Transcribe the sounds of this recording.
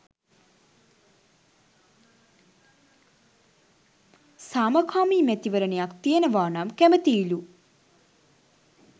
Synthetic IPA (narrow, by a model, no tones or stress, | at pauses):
saːmɐkʰaːmiːmæɛt̪iʋəɾənejakt̪ijənəʋaːnamkæmət̪iːlu